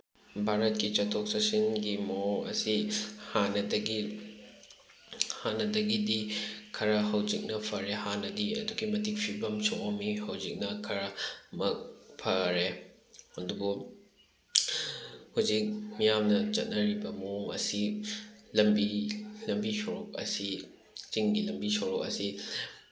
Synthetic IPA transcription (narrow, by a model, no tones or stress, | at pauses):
bʱaɾɐt̚kit͡ʃɐtʰok̚sɐsinɡimooŋɐ̰sihanɐdɐɡi | hanɐdɐɡidikʰɐɾɐɦɐwzik̚nɐpʰɐɾehanɐdiɐ̰duɡimɐtik̚pʰibɐmsoŋomihɐwzik̚nɐkʰɐɾɐmɐk̚pʰɐɾe | ɐdubu | huwzik̚mijamnɐt͡ʃɐt̚nɐɾibɐmoŋɐ̰si | lɐmbilɐmbisoɾok̚ɐ̰si | t͡ʃiŋɡilɐmbisowɾok̚ɐ̰si